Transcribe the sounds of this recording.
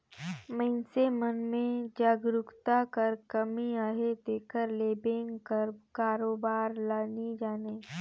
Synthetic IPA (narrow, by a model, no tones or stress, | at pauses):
mə̃ɪnsemənmẽd͡ʒaːɡɾʊkt̪akəɾkəmiaːɦet̪eːkəɾleːbẽŋɡkəɾkaːɾoːbaːɾlaːnid͡ʒaːneː